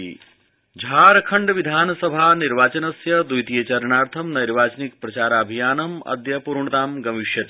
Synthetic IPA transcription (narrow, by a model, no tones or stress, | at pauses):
d͡ʒʱaːɾɐkʰɐɳɖʋid̪ʱaːnɐsɐbʱaːniɾʋaːt͡ʃɐnɐsjɐd̪ujt̪ijɐt͡ʃɐɾɳaːɾt̪ʰɐmnɐjɾʋaːt͡ʃɐnik̚pɾɐt͡ʃaːɾaːbʱijaːnɐmɐ̰d̪jɐpuɾɳɐt̪aːmɡɐʋiʃjɐt̪